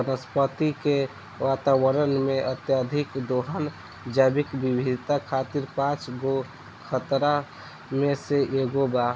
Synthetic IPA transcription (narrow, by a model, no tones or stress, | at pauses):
ənəspət̪ike | wat̪awəɾənmeət̪jad̪ʱikd̪oɦən | d͡ʒəbikbibʱid̪t̪akʰat̪iɾpãt͡ʃɡo | kʰət̪ɾa | meseʔeɡoba